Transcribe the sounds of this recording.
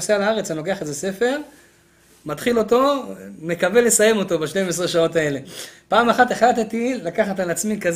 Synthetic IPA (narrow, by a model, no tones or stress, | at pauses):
sealaaʁet͡sano̞ke̞aχezese̞fe̞ʁ | matχilo̞to̞me̞kave̞le̞saje̞mo̞to̞baʃte̞mes̬ʁeʃao̞tae̞le̞paːmaχateχlat̪etilakaχatalat͡smikaz